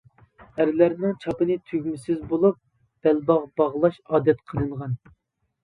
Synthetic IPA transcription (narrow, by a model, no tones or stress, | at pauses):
æɾlæɾnɪŋt͡ʃʰɑpɨnɨt̪ʰøɡʲmɪsɪzbolˠup̚ | b̪̥ɛlbɑʁbɑʁlˠɑʃɑːd̪ɛt̪qʰəɾɨɴʁɑn